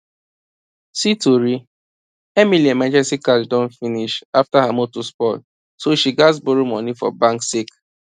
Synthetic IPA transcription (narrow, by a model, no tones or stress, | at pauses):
situɾi | emiliemãnd͡ʒɛsikaldɔ̃nfiniʃaftaɦamotuspɔl | soʃiɡasboɾomɔnifɔ̰bãŋksik